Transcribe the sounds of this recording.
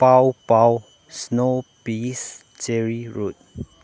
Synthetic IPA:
pawpaw | snopis | t͡ʃɛɹiɹut̚

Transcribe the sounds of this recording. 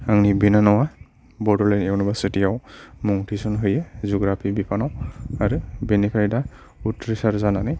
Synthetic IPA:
aŋnibinanɔwa | bɔdɔɹlanewnɔbasetijawmɔŋtʰisɔnɦɔjɛzuɡɹapʰibipʰanawaɹubenipʰaɹita | utɹisaɾzanana

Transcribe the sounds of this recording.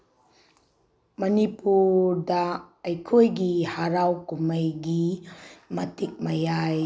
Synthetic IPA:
mɐnipuɾdaɐjkʰojɡihaɾawkuməjɡi | mɐtik̚mɐjaj

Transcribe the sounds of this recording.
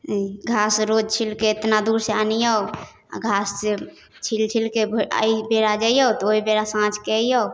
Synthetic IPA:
ɡʱasɾod͡ʒt͡ʃʰilkeːt̪nad̪uɾseanijɔ | a̰ɡʱasːe | t͡ʃʰilt͡ʃʰilkebʱa̰ibeɾad͡ʒaiɔot̪ɔoibeɾasãt͡ʃkɛijɔw

